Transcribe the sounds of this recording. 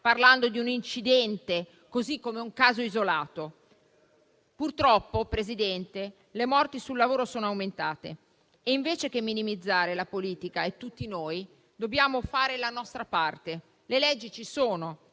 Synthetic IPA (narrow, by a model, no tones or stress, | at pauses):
parland̪od̪iunint͡ʃid̪ɛnt̪e | kozikːomeuŋkaːzoizolaːt̪o | purt̪ɾɔpːopɾezid̪ɛnt̪e | lemɔrt̪isulːavoːɾosoːnoawment̪aːt̪ḛ | eiɱveːt͡ʃek̟emːinimid̪zːaːɾelapoliːt̪ikaet̪ːut̪ːinoːj | d̪objaːmofaːɾelanɔst̪ɾapart̪e | lelɛd͡ʒːit͡ʃisoːno